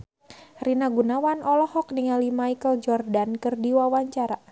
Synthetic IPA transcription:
rinaɡunawanʔɔlɔhɔk̚niŋalimaikəld͡ʒɔrdankɨrdiwawaɲt͡ʃaɾa

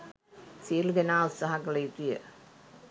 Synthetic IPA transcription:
siəlud̪enaːut̪saɦakələjit̪ijə

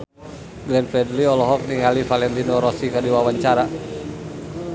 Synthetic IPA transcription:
ɡlɛnfɾɛdliɔlɔɦɔk̚niŋalifalɛnt̪inɔɾɔsikərdiwawaɲt͡ʃaɾa

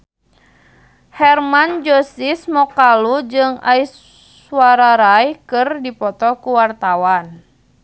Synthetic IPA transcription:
hɛrmand͡ʒɔsismɔkalud͡ʒɨŋa̰is | uaɾaɾajkɨrdipɔt̪ɔkuwart̪awan

